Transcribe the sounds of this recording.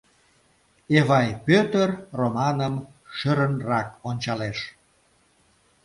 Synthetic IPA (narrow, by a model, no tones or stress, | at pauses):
evɑjpøt̪ərromɑnəm | ʃəɾənrɑkonʲt͡ɕɑleʃ